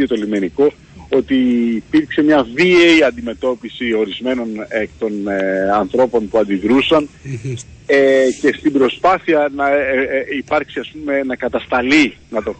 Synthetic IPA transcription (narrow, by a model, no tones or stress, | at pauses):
ot̪olime̞niko̞ | o̞t̪iːpiɾkse̞mɲɐviejɐnd̪ime̞t̪o̞pisio̞ɾizme̞no̞nekt̪o̞nɐnθɾo̞po̞npuɐnd̪iðɾusɐn | ece̞st̪ibɾo̞spɐθiɐnɐipɐɾksiɐspume̞nɐkɐt̪ɐst̪ɐlinɐt̪o